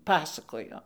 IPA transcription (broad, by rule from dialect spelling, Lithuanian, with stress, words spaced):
ˈpɑːsɐkoːjoː